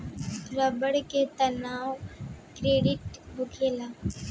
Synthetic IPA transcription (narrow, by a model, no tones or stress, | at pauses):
ɾəbəɽket̪ənaːwokɾeːɖɪʈbʊkʰeːlaː